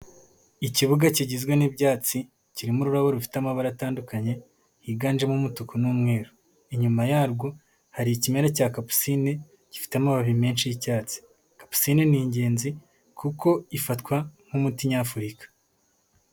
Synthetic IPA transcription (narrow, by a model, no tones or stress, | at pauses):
iciβuɡaciɟizɡwenibɟaːt͡si | ciɾimuɾuɾaβoɾufi̥tamaβaɾataːndukaɲe̞ | iɡaːnd͡ʒemumutukonuːmŋe̞ːɾo | iɲumajaːɾɡo̞ | haɾiicimeɾacaːkapu̥sine | ci̥fi̥tamaβaβime̞ːnʃijicaːt͡si̥ | kḁpu̥sineniːɲɟe̞ːnzi | kuko̞ifatkwam̥umutiɲafuɾikḁ